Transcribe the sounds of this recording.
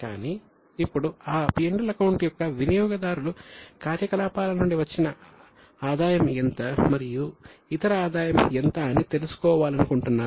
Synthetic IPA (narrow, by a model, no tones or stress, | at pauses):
ka̰ːni | ipːuɽuaːpijeɳɖɐlɐkɐwɳʈjɔkːɐʋinijɔːɡɐd̪aːɾulukaːɾjɐkɐlaːpaːlɐnuɳɖiʋɐt͡ʃːinɐ | aːd̪aːjɐment̪ɐmɐɾijuit̪ɐɾɐaːd̪aːjɐment̪ɐnit̪e̞lusu̥kɔːʋaːlɐnukuɳʈunːaːɾu